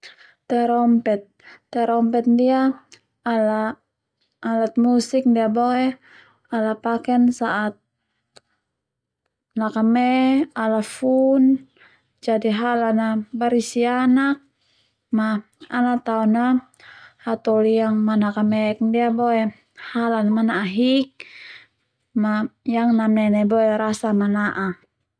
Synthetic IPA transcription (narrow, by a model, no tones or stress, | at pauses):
t̪ɛɾɔmpɛt̪̚ː | ɛɾɔmpɛt̪̚dia | alaː | lat̪̚musik̚ndiabɔɛ | alapakɛnsaʔat̪̚ | nakamɛalafun | d͡ʒadiɦalanabaɾisianak̚ | ma | anat̪aɔna | hat̪ɔlijaŋmanakamɛk̚ndiabɔɛ | halanamanaʔaɦik̚ | majaŋnamɛnɛbɔɛɾasamanaʔa